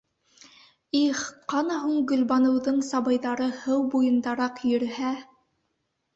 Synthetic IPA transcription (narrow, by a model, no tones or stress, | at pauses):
iχqɑnɑɦuɴɡɵ̆lbɑnɤ̆wðɤɴsɑβɤjðɑɾɤhɤwbujɤ̆nd̪ɑɾɑqjɵ̆ɾɘ̆hæ